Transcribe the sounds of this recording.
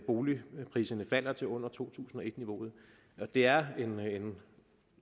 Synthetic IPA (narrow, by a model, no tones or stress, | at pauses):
b̥o̝ːlipʰʁḭːsɐnəfæl̰ɐt͡sʰe̝ɔ̽n̰ɐt͡sʰo̝̰ːt͡sʰṵːsn̩ɒ̽e̝d̥niʋo̝̰ːð̞̩ˠ | ɒ̽d̥e̝æɐene̝n